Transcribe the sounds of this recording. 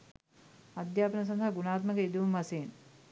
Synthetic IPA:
ad̪jaːpənəs̬ɐnd̪ʱaaɡunaːt̪məkəid̪uʋumɐseːn

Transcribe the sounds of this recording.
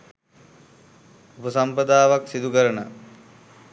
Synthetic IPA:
upəsampəd̪aːʋaksid̪ukəɾənə

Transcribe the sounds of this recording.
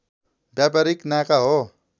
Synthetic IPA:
bjap̬ɐɾiknakaɦo

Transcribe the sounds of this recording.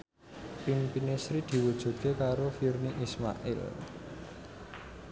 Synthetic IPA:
pimpinesɾid̪̥i̤wu̥d͡ʒ̥ṳt̪̚kekaɾofirniʔisma̰ʔḭl

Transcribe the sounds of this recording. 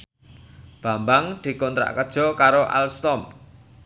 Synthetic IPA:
b̥a̤mbaŋd̪̥i̤kɔnt̪ɾa̰ʔkəd̥ʒ̥ɔ̤kaɾoʔa̰lst̪ɔmp

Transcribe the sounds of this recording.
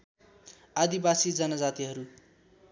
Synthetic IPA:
ad̪ibasid͡zʌnʌd͡zat̪iɦʌɾu

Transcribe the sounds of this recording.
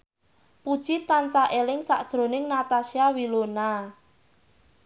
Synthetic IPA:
pud̥ʒ̥it̪ansaʔelɪŋsaʔd̥ʒ̥ɾo̤nɪŋnat̪asiawilona

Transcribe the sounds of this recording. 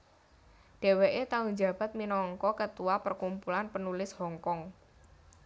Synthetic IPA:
ɖ̥e̤weʔet̪aʊŋd͡ʒä̤b̥a̤t̪̚minɔŋkɔkət̪uwapərkumpulanpənulɪshɔŋkɔŋ

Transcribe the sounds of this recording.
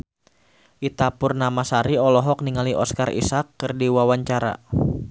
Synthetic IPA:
ʔit̪apʊrnamasaɾiɔlɔɦɔk̚niŋaliʔɔskarḭsakːɨrdiwawaɲt͡ʃaɾa̰

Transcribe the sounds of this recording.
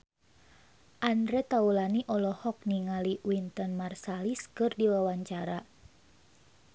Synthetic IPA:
ʔandɾɛt̪aulaniʔɔlɔhɔk̚niŋaliwint̪ɔnmarsaliskɨrdiwawaɲt͡ʃaɾa

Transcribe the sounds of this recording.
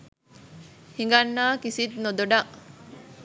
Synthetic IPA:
hiŋɡɐnːaːkisit̪nod̪oɖɐʔ

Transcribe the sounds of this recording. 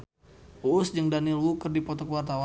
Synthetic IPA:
uːsd͡ʒəŋdanilwukərdipɔt̪ɔkəwart̪awa

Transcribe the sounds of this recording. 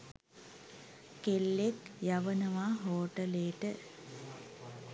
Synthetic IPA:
kelːekjaʋənəʋaɦoːʈəleːʈə

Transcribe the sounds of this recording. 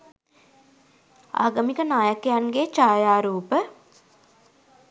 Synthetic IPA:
a̰ːɡəmikənaːjəkejanɡeːt͡ʃaːjaːɾuːpə

